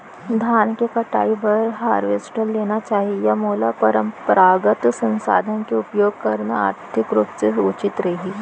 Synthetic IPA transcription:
d̪ʱaːnkekɐʈa̰ːibɐɾɦaːɾʋeːsʈəɾleːnat͡ʃaːɦijamoːlapɐɾə̃mpɾaːɡət̪sə̃nsa̰ːd̪ʱənkeʊpjoːɡ̚kɐɾna̰a̰ːɾt̪ʰɪkɾupseʊt͡ʃɪt̪ɾɐɦiː

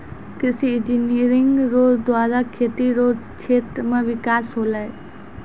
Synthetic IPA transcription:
kɪsiɪ̃d͡ʒiniɾɪŋɡɾoːzd̪waːɾakʰeːt̪iɾoːz | t͡ʃʰeːt̪ɾəmẽʋɪkaːsɦoːlae

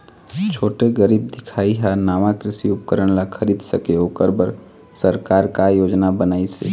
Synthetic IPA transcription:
t͡ʃʰoːʈeɡəɾiːbd̪ɪkʰaːiɦanaːʋãkɾɪsiʊp̚kəɾəɽ̃lakʰɐɾiːd̪səkeoːkəɾbəɾ | səɾkaːɾkajoːd͡ʒnabənaːisḛː

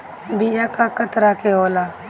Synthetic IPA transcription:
biːd͡ʒakakət̪ɾakeɦoːlaː

